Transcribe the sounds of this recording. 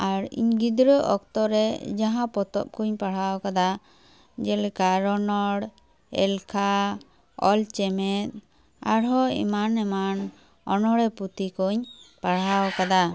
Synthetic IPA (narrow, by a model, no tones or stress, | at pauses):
aɾḭɲɡid̪ɾəʔɔk̚t̪ɔɾɛd͡ʒaɦãpɔt̪ɔ̰p̚kuɲpaɽ̤awkad̪a | d͡ʒɛlkaɾɔnɔɽ | ɛ̰lkʰa | ɔ̰lt͡ʃɛmɛt̪̚ | a̰ɽɦɔḭmanɛman | ɔnɔɽɛput̪ikuɲpaɽ̤awɔkad̪a